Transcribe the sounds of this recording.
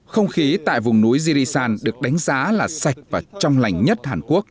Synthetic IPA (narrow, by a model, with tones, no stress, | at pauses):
xə˧wŋ͡mxi˨˦t̪a̰ː˧˨jvʊ˨˩ŋ͡mnu˨˦jzi˧ɾi˧saː˧nɗɨ˨˩ək̚ɗa˨˦jŋ̟zaː˨˦laː˨˩sa˨˩jk̟̚vaː˨˩t͡ɕɔ˧wŋ͡mla˨˩jŋ̟ɲə˦˥t̚haː˨˩nku˦˥ək̚